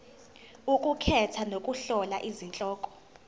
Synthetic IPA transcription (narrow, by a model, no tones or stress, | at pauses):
ukʼukʰɛtʰanokʼuɬɔlaʔizint͡ɬʼɔːkʼɔ̥